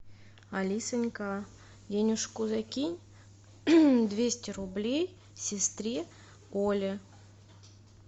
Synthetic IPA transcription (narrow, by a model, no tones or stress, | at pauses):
ɐlʲisɨnʲkɑ | dʲenʲuʂkuzakʲinʲ | d̪vʲesʲtʲɪrublʲej | sʲɪst̪ɾʲi | olʲɪ